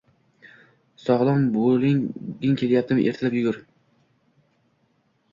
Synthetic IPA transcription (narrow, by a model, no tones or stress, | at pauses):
sɒʁlˠambolɪŋɡʲɪŋkʲʰe̞ljap̚t̪ɪmʔḛɾt̪ʰɪlapjʊɡʊɾ